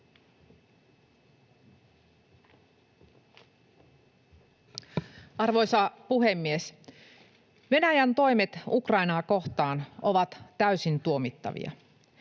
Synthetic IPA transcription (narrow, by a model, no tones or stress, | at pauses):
ɑrʋo̞jsɑpuɦe̞mːies | ʋe̞næjænt̪o̞jme̞t̪ukrɑinɑːko̞xt̪ɑːnoʋɑt̪tæysint̪uomit̪ːɑ̰ʋḭɑ̰